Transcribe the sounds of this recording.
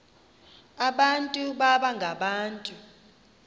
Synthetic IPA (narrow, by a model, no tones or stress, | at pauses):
aɓantʼuɓaɓaŋɡʱaɓaːntʼu